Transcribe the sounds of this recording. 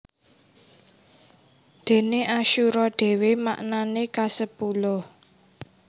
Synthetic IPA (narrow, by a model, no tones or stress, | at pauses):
d̪̥e̤neʔaʃuɾɔɖ̪̥e̤wema̰ʔnanekasəpulʊh